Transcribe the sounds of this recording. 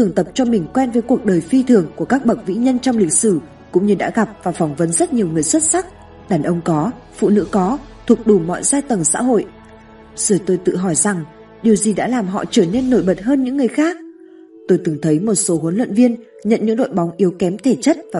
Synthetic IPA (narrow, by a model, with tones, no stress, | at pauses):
t̪ʰɨ˨˩əŋt̪ə˨˩p̚t͡ɕɔ˧mï˨˩ŋ̟kwɛ˧nvəː˨˦jku˨˩ək̚ɗəː˨˩jfi˧t̪ʰɨ˨˩əŋku˧˩əkaː˦˥k̚ɓə˨˩vḭ˧˥ɲə˧nt͡ɕɔ˧wŋ͡mlï˨˩k̟̚sɨ˧˩ | kʊ̰˧˥ŋ͡mɲɨ˧ɗa̰ː˧˥ɣa˨˩p̚vaː˨˩fɔ˨˦wŋ͡mvə˨˦nzə˦˥t̚ɲi˨˩əwŋɨ˨˩əjswə˦˥t̚sa˦˥k̚ | ɗaː˨˩nʔə˧wŋ͡mkɔ˨˦ | fṵ˧˨nɨ̰˧˥kɔ˨˦t̪ʰu˨˩ək̚ɗu˧˩mɔ̰˧˨jzaː˧jt̪ə˨˩ŋsa̰ː˧˥ɦo̰˧˨j | z̥əː˧˩t̪o˧jt̪ɨ̰˧˨ɦɔ˧˩jza˨˩ŋ | ɗi˨˩əwzi˨˩ɗa̰ː˧˥laː˨˩mɦɔ̰˧˨t͡ɕəː˧˩ne˧nːo˧˩jɓə˨˩t̚ɦəː˧nɲɨ̰˧˥ŋːɨ˨˩əjxaː˦˥k̚ | t̪o˧jt̪ɨ˨˩ŋt̪ʰə˨˦jmo˨˩t̚so˨˦ɦə˨˦nlwə̰˧˨nvi˧ən | ɲə̰˧˨nɲɨ̰˧˥ŋɗo̰˧˨jɓa˨˦wŋ͡mʔi˨˦wkɛ˨˦mt̪ʰe˧˩t͡ɕə˦˥t̚vaː˨˩